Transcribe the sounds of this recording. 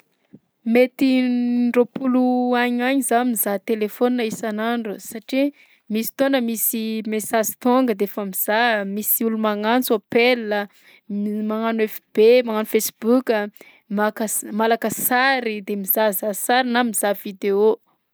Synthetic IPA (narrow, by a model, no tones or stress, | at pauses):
met̪iɳɖ͡ʐopuluaɲaɲizamizat̪elefoninaisanaɳɖ͡ʐusaʈ͡ʂi | misi̥t̪onəmisimesazi̥t̪oŋɡəd̪eefəmiz̥amisiulumaŋant͡sapelːə | maŋanefib̥emaŋanufesi̥bukʲə | makəmalakəsaɾid̪emizazasaɾinamiz̥avid̪eo